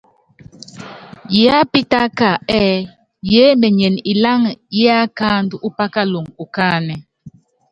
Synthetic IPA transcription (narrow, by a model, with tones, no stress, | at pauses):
jɛ˨˦a˦pi˦ta˦ka˨ɛː˦ | jɛ˨˦mɛ˨ɲɛ˨ni˨la˦ŋjɛ˦a˦kaː˦n˦du˦ʔu˦pa˦ka˦lo˨ŋu˨kaː˦˨nɛ˨